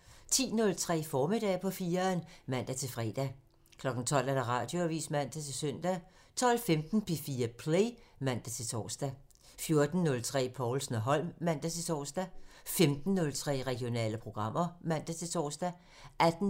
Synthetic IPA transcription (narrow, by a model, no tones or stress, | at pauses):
t͡sʰḭːnɔ̽lt͡sʰʁɛ̰ːfɒːme̝d̥ɛ̰ːpʰɒ̽fiːɐnmæn̰d̥æt͡sʰe̝lfʁɛːd̥æ | kʰlɒ̽ɡ̥n̩t͡sʰɒ̽l̰æɐɾ̥ɑ̈ʁɑ̈d̥jo̝æʋḭːsmæn̰d̥æt͡sʰe̝lsœn̰d̥æ | t͡sʰɒ̽l̰femd̥n̩pʰefiːɐpʰlemæn̰d̥æt͡sʰe̝t͡sʰɒ̰ːsd̥æ | fjo̝ɐd̥n̩ːɔ̽lt͡sʰʁɛ̰ːpʰɒʊlsn̩ɒɦɒ̽l̰mːæn̰d̥æt͡sʰe̝t͡sʰɒ̰ːsd̥æfemd̥n̩ːɔ̽lt͡sʰʁɛ̰ːʁɛɡ̥ijo̝nɛ̰ːləpʰʁo̝ɡ̥ʁɑ̈m̰ɐmæn̰d̥æt͡sʰe̝t͡sʰɒ̰ːsd̥æ | ʔæd̥n̩